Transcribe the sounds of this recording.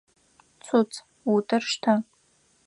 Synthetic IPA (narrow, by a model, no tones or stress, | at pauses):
t͡sʰut͡sʰʼ | utʰʼɨrʂtʰa